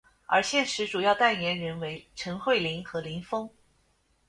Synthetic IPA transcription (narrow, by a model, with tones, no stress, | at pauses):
ə̰˞˧˥ɕjɛ˥˩nʂɻ̩˧˥ʈ͡ʂu˨˩jɑ˥˧ʊt̪a˥˩njɛ˧˥nɻə˧˥nwe˧˥ɪʈ͡ʂʰɤ˧˥ŋxwe˥˩ɪli˧˥ŋxɤ˧˥li˧˥ŋfɤ˥ŋ